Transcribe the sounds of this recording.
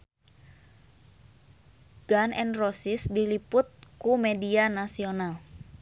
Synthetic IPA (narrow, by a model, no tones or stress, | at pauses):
ɡ̥anɛnrosɪsdilipʊt̪̚kumedianasional